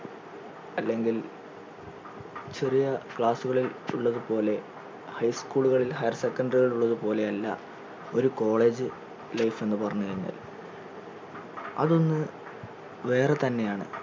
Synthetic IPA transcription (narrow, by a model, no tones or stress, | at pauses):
ɐlːe̞ŋɡil | t͡ɕerijɐkɭaːsuɣɐɭiluɭːɐðupo̞ːle̞ | hɐjskuːɭuɣɐɭilhɐjɐrsekːɐndɐriɣɐɭuɭːɐðupo̞ːle̞ɐlːɐ̰ | o̞ɾuko̞ːɭe̞ːd͡ʑɨ | lɐjfe̞nːɨpɐrɐɲːukɐɾuɲːa̰ːl | ɐ̰ðo̞nːɨ | ʋe̞ːre̞t̪ɐnːe̞jaːɳɨ̰